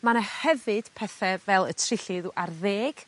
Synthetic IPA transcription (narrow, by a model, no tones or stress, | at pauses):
manahɛvɨd̥pʰɛθɛvɛlˠətʰrɪɬiðuʔarðeːɡ̥